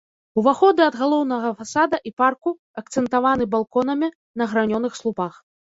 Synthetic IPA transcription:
uvaxɔd̪ɨɐd̪ɣalˠɔwnɐɣɐfasad̪ɐʔiparku | ɐk̚t̪sɛnt̪avanɨbalˠkɔn̪ɐmʲi | nɐɣɾanʲɔnɨxslˠupax

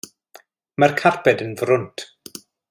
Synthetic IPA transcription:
markʰarpɛdənvrʊntʰ

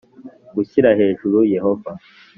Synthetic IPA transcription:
ɡuçiɾahe̞ːʒuɾujehova

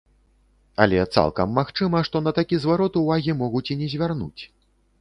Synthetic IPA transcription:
ɐlʲɛt̪sa̰lˠkɐmːaxt͡ʂɨmɐʂt̪ɔnɐt̪akʲizvaɾɔt̪uvaɣʲimɔɣut͡sʲinʲɛzʲvʲarnṵt͡sʲ

